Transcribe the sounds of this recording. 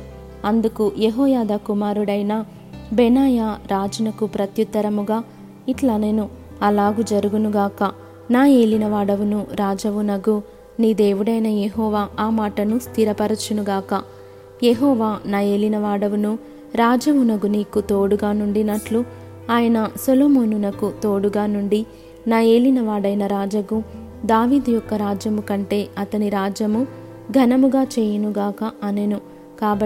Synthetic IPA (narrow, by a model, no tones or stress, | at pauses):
ɐnd̪ukujeɦɔːjaːd̪akumaːɾuɽɐjnɐ | bɛnaːjaːɾaːd͡ʒɐnɐkupɾɐt̪jut̪ːɐɾɐmuɡaː | iʈlɐne̞ːnu | ɐlaːɡud͡ʒɐɾuɡunuɡaːkɐ | naːje̞ːlinɐʋaːɽɐʋunuɾaːd͡ʒɐʋunɐɡu | niːd̪e̞ːʋuɽɐjnɐjeɦɔːʋaːaːmaːʈɐnust̪ʰiɾɐpɐɾɐt͡ʃunuɡaːkɐ | jeɦɔːʋaːnaːe̞ːlinɐʋaːɽɐʋunu | ɾaːd͡ʒɐʋunɐɡuniːkut̪o̞ːɽuɡaːnuɳɖinɐʈlu | aːjɐnɐsoloːmoːnunɐkut̪o̞ːɽuɡaːnuɳɖi | naːe̞ːlinɐʋaːɽɐjnɐɾaːd͡ʒɐɡu | d̪aːʋiːd̪ujɔkːɐɾaːd͡ʒjɐmukɐɳʈe̞ːɐt̪ɐniɾaːd͡ʒɐmu | ɡʱɐnɐmuɡaːt͡ʃeːjɐnuɡaːkɐːnenu | kaːbɐ